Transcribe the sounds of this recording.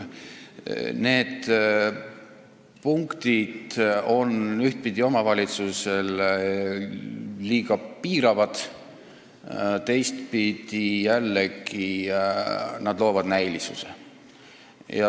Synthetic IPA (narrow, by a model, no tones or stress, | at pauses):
ne̞ːd̪ | puŋkt̪id̪̥o̞nyht̪̚pid̪̥ʲio̞mɑvɑlʲit̪susel | liːɡɑpiːɾɑvɑd̪̥ | t̪e̞jst̪pid̪̥ijælːeɡi | nɑd̪̥lo̞ːvɑd̪̥næjlisuse | jɑ